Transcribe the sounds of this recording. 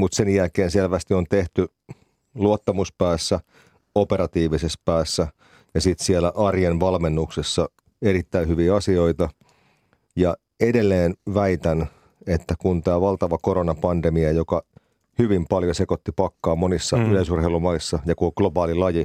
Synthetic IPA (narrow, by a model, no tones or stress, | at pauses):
mut̪senjælkeːnselʋæst̪iont̪eht̪y | luot̪ːɑmuspæːsːæ | opeɾɑt̪iːʋisespæːsːæ | jɑsit̪sielæʔɑrjenʋɑlmenːuksesːɑ | eɾit̪ːæihyʋiːɑsio̞it̪ɑ | jɑ | edelːeːnʋæit̪æn | et̪ːækunt̪æːʋɑlt̪ɑʋɑkoɾonɑpɑndemiɑjokɑ | hyʋimpɑljosekot̪ːipɑkːɑːmonisːɑyleisurheilumɑisːɑjɑkuoɡ̥lobɑːlilɑji